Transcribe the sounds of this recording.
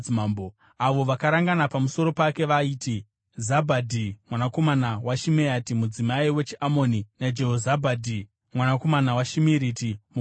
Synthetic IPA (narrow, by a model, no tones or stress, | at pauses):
imambo | aʋo̞ʋakaɾaŋɡanapamuso̞ɾo̞pake̞ʋaiːti | zabʱadʱimwanako̞manawaʃimeatimud͡zimaiwe̞t͡ʃiʔamo̞ninad͡ʒeɦozabʱadʱi | mwanako̞manawaʃimiɾitim